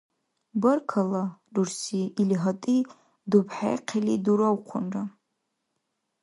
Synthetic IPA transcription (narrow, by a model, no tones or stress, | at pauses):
bɨrkʰaladursiːliɦatʼi | dupʰħa̰jqʰeliduɾawqʷʰʊnra